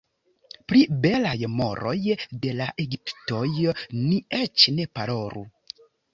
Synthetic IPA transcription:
pɾibe̞lajmo̞̰ɾo̞jde̞laʔeɡipto̞jniet͡ʃne̞paɾo̞ɾṵ

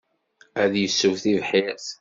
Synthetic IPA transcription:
æðjəsːuvθivħiɾθ

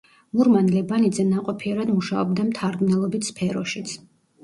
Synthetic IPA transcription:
muɾmanlɛbanid̪zɛnaqʼɔpʰiɛɾad̪muʃaɔbd̪amt̪ʰaɾɡnɛlˠɔbit̪ʰspʰɛɾɔʃit̪sʰ

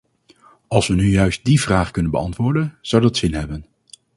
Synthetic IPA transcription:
ɑlˠsʋənyjœɥst̚divraːχkɵnənbə̰ɑntʋʊːɹdənz̥ʌwdɑtsɪnɦɛbən

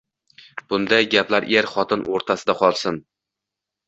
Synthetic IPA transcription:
b̥ʊnd̪ajɡʲaplaɾʔeɾχɒt̪ʰɪnʔoɾt̪ʰasɪd̪aqʰɒlˠsɪn

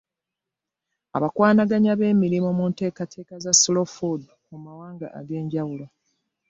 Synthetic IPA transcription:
a̰βakwaːnaɡaɲaβe̞ːmiɾimomunte̞ːkatʰe̞ːkazaslofod | kumawaːŋɡa̰ʔa̰ɡe̞ːɲɟawulo

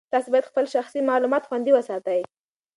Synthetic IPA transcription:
t̪ɑsobɑjad̪xpəlʃaxsimɑlumɑt̪xwand̪iwəsɑt̪əj

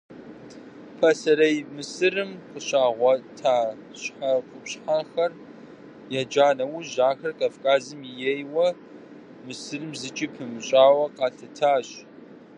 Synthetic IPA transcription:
pʰɐsɐɾɐjmɨsɨrɨmqəɕaːʁʷɔtʰaː | ɕħaqʷʼʊpɕħaxɐr | jɛd͡ʒaːnɐwʊʒaːxɐrkʼɐfkʼaːzɨmijɛjwɐ | mɨsɨrɨmzɨt͡ʃʼipʰɨmɨɕʼaːwɐqɑːɬɐtʰaːɕ

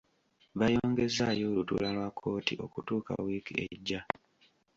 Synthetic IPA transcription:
βajo̞ːŋɡe̞zajo̞ːlutṵlalwakʰːo̞ːtiʔo̞kutuːka̰wiːkieɟːa

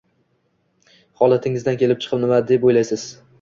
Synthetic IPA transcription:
hɒlˠat̪ʰɪŋɪzd̪ankʲʰelɪp̚t͡ʃʰɨ̥qʰɨpnɪmad̪epojlajsɪz̥

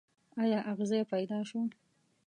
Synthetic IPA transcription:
ɑjɑʔaɣzapajd̪ɑʃo

